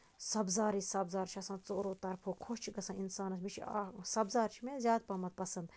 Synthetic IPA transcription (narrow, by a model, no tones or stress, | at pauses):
sɐbzaːɾiːsɐbzaːɾt͡ʃʰiɐsãːt͡soːɾoːt̪ɐɾpʰoːkʰoʃt͡ʃʰiɡɐsãːinsaːnɐsmit͡ʃʰḭsɐbzaːɾt͡ʃʰimẽzʲjaːd̪̚pɐmɐt̪̚pɐsɐnd̪